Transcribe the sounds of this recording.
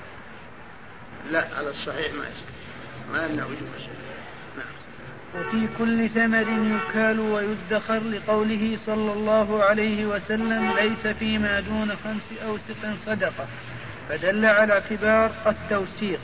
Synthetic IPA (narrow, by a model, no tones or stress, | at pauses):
laʔʕa̰lasˤːɑħiːħma̰ʔa̰ʃka | maʔamnawʊd͡ʒṵː | naʕam | wafiːkʊlːɪθamaɾɪnjʊkaːlʊwajʊd̪ːaxɑɾlɪqɑwlɪɦɪsˤɑlːɑlˤːɑːɦʊʕalajhɪwasalːamlajsafiːmaːd̪uːnaxamsʔawsɪqɪnsˤɑd̪ɑqɑ | fad̪alːaʕalaʕt̪ɪbɑːɾˤat̪ːawsiːq